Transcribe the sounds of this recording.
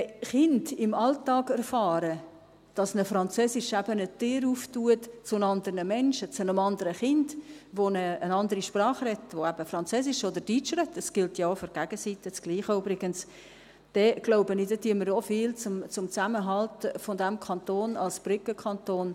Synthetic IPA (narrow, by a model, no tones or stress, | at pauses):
χɪndɪmɑltɑːɡɛrfɑːɾə | d̥ɑsnəfɾɑnt͡søːsɪʃæb̥ənət̪ɪːɾuːftuətt͡sʊnɑnd̪ərnəmɛnʃət͡sʊnəmɑnd̪əɾəχɪndʋonəːnɑnd̪əɾiʃprɑːχrɛtːʋoæb̥əfrɑnt͡søːsɪʃɔd̪əɾd̥it͡ʃrɛtːəsɡ̥ɪltjɑːfʏɾɡ̥æɡ̥əsit̪ɪt͡sɡ̥liːχəybɾɪɡəns | d̥ɛɡ̥loʊbənɪdɛtyəməɾofɪːlt͡sʊmt͡sʊmt͡sæməɦɑltfɔdɛmkʰɑnt̪oːnɑ̰lsb̥rʏkəkʰɑntoːn